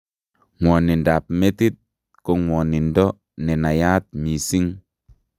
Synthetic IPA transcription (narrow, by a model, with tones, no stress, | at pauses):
ŋʷɔ˨ni˨nda˨p̚me˦t̪i˦t̪̚ | ko˨ŋwɔː˨ni˨ndɔ˦ | nɛ˨na˨ja˦t̪̚mi˨si˦ŋ